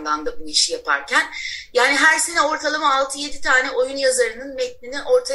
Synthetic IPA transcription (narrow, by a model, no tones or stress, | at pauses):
d̪and̪abuiʃjapʰa̰ɾcʰænjaːniɦæɾsenɛo̞ɾt̪ʰalˠamaːlˠt̪ʰɯje̞d̪it̪ʰaːnɛʔo̞junjazaɾɯnɯnmɛt̪̚nʲiniʔo̞ɾt̪ʰa